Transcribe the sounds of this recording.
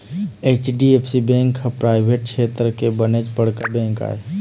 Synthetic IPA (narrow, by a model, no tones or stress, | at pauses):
eːt͡ʃɖiepʰsibẽːŋkapɾaːɪbʱeːʈ̚t͡ʃʰeːt̪ɾkebənet͡ʃpəɽ̤kabɛ̃ːŋka̰ːe